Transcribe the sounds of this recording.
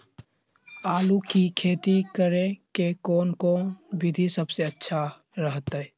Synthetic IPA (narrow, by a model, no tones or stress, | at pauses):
aːlukikʰeːt̪ikəɾẽkekɔːnkonbʱɪd̪ʱisəbseətːʃʰa | ɾəɦt̪ɛ